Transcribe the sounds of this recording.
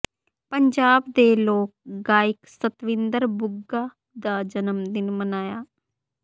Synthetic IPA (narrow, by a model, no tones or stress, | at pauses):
pəɲd͡ʒaːbd̪eːloːk̚ɡaːɪksət̪ʋɪ̃nd̪əɾbʊɡːaː | d̪aːd͡ʒənəmd̪ɪnmənaːjaː